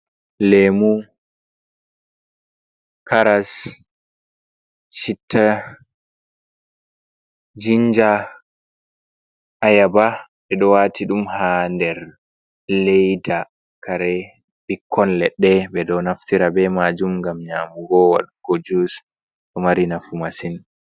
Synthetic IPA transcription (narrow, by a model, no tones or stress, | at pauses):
lemu | kʰaɾas | t͡ʃitʰːa | d͡ʒiɲd͡ʒa | ʔːjabaɓɛɗɔwaːtʰiɗumhandɛɾ | lejda | kʰaɾɛ | bikʰːɔnlɛɗːɛbɛɗɔnaftiɾabɛmad͡ʒumɡamɲaːmuɡɔwa̰ɗkod͡ʒus | ɗɔmaɾinafumasin